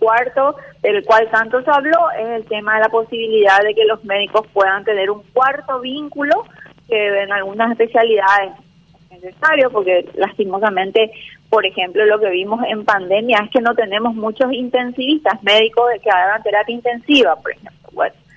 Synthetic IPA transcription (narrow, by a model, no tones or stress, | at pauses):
kwaɾt̪o̞ðelkwalt̪ant̪oseaβlo̞e̞selt̪emaðe̞lapo̞siβiliðaððe̞ke̞lo̞sme̞ðiko̞spwe̞ðant̪e̞ne̞ɾuŋkwaɾt̪o̞βiŋkulo̞keβenalɣunasespe̞sjaliðaðesn | enesesaɾjopo̞ɾkelast̪imos̬amẽnt̪e̞po̞ɾe̞xe̞mplolo̞ke̞βimo̞se̞mpand̪e̞mjae̞ske̞no̞t̪ene̞mo̞smut͡ʃosint̪ensiβist̪asmeðikozekeaɣant̪e̞ɾapjaint̪e̞nsiβapoɾexe̞mplo̰βwḛno